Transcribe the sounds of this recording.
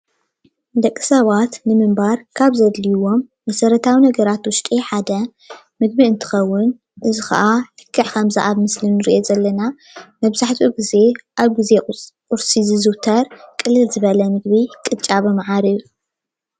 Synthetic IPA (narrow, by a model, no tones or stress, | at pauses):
d̪ɐkʼːi̥sɐβat̪nɨmɨmbaɾkʰaβzɐd̪liwo̞mːɐsɐɾɐt̪ʰawinɐɡɐɾat̪wʊʃt̪ʼiħad̪ɐ | mɨɡ̚biɨnt̪ʰɨ̥xɐwːʊn | ʔɨzɨxɐ̰ʔalɨ̥kʰːɨʕkʰɐmza̰ʔaβmɨslɨnːɨɾḭʔozɐlːɐna | mɐβzaħt̪ʰʼuɡize̞ʔaβɡizekʼʊɾsizɨzɨwt̪ʰɐɾkʼɨlːɨlzɨβɐlɐmɨɡbikʼɨt͡ʃʼaβɨmɐʕaɾiju